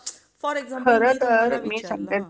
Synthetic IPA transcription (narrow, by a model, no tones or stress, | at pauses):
kʰəɾət̪əɾmiːsəŋɡe